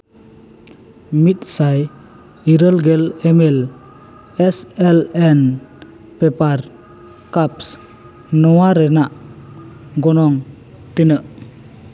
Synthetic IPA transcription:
mit̪̚saj | iɾəlɡelemel | ɛsɛlɛn | pepaɾ | kaps | nɔwaɾɛnaʔ | ɡɔnɔŋ | t̪inə

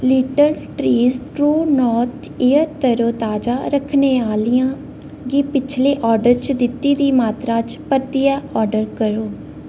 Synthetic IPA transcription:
liːʈəɾʈɾiːzʈɾuːnɔːɾt̪ʰeːəɾt̪əɾoːt̪aːd͡ʒaːɾəkʰneːaːliːãː | ɡiːpɪt͡ʃʰleːʔɔːɾɖəɾt͡ʃd̪ɪt̪ːiːd̪iːmaːt̪ɾãːt͡ʃpəɾt̪iːɛːɔːɾɖəɾkəɾoː

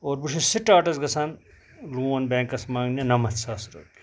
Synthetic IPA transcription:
oːɾbuʈʰisiʈaːʈɐsɡɐsʰaːn | luːɐnbẽːŋkɐsmãːɡnɐnɐmɐt̪saːsɾɐ̰k̚

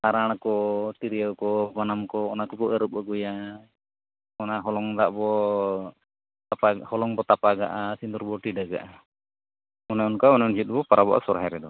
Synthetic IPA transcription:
aɾaɽ̃kɔt̪iɾijawkɔbanamkɔːnakɔbɔəɾup̚aɡɔja | ɔnaɦɔlɔŋd̪aʔbɔ | apahɔlɔŋbɔt̪apaɡa̰ʔasind̪uɾbɔʈiɖaɡa̰ʔa | ɔnaɔnkaɔnaɔnd͡ʒit̪̚bɔpaɾabɔ̰ʔa̰sɔɾaɦɛɾɛd̪ɔ

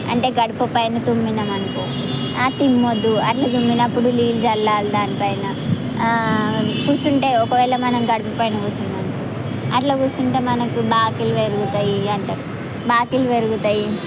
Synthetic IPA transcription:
ɐ̰ɳʈe̞ːɡɐɽupɐpɐjnɐt̪umːinɐmɐnɐku | at̪imːod̪ːuɐʈlɐt̪̬umbinɐpːuɽuliːld͡ʒɐlːaːlud̪aːnipɐjnɐ | kuːsuɳʈe̞ːɔkɐʋɛːlɐmɐnɐmɡɐɽupɐpɐjnɐkuːsunɐmɐnɐku | ɐ̰ʈlɐkuːsuɳʈe̞ːmɐnɐkubaːkiluʋeɾuɡut̪ɐjiɐɳʈe | baːkiluʋeɾuɡut̪ɐji

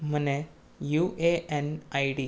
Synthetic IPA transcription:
m̤əne | juʔeʔenajɖi

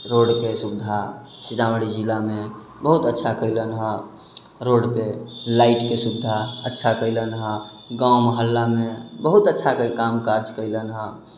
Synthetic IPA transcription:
ɾoɽkesubd̪ʱa | sid͡ʒ̪awəɽid͡ʒilame | bəɦut̪ətːʃʰakəɪlənɦə | ɾoɖpelaiʈkesubd̪ʱaətːʃʰakəɪlənɦə | ɡawməɦəlːamebəɦut̪ətːʃʰakəkamkaɾd͡ʒkəɪlənɦə

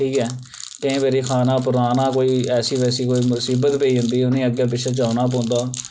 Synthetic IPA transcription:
ʈʰiːkɛː | kə̃ẽːʋeːɾiːkʰaːnãːpʊɾaːnãːkoːiːɛːsiːʋɛːsiːkoːiːmʊsiːbət̪beiːɦʊ̃nd̪iːʊnĩːəɡjaːp̬ɪʃʰeːt͡ʃaːnaːp̬õːnd̪aː

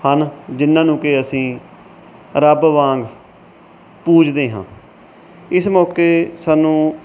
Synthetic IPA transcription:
hənd͡ʒɪnːãːnũːkeəsĩː | ɾəbʋãːŋɡ | puːd͡ʒd̪eːɦã̰ː | ɪsmɔːkeːsaːnũː

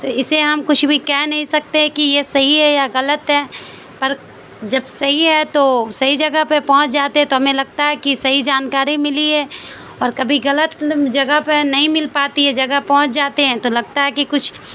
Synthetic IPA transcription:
t̪oɪseɦɐmkʊt͡ʃʰbʱikɛɦnɐɦĩsɐk̚t̪eɛ̃kijesɐɦiɦɛjaɣɐlət̪ɦɛː | pɐɾ | d͡ʒɐbsɐɦiɦɛt̪osɐɦid͡ʒɐɡəpepɔ̃ɦʊ̃t͡ʃd͡ʒaːt̪eɦɛ̃t̪oɦɐmẽlɐɡ̚t̪aɦɛkisɐɦid͡ʒaːnkaːɾimɪliɛ | ɔːɾkɐbʱiɣɐlət̪d͡ʒɐɡəɦpenɐɦĩmɪlpaːt̪iɦɛd͡ʒɐɡəpɔ̃ɦʊ̃t͡ʃd͡ʒaːt̪eɦɛ̃t̪olɐɡ̚t̪aɦɛkikʊt͡ʃʰ

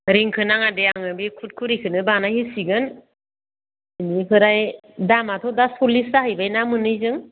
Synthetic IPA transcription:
ɾiŋkʰɯnaŋadeaŋɯbikʰut̚kʰuɾikʰɯnɯbanahisiɡɯn | iniɦɯɾajdamatʰɔdasɔlisahɯjbajnamɯnɯjzɯŋ

